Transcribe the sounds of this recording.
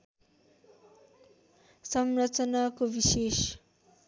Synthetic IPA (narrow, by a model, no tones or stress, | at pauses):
sʌmrʌt͡sʌnakobises